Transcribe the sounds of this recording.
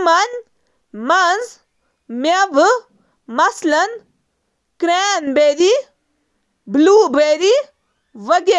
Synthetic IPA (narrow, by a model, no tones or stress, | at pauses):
mɐn | mɐnz | meʋɨ | mɐslɐn | kɾeːnbeɾi | bluːbeɾi | ʋɐɡe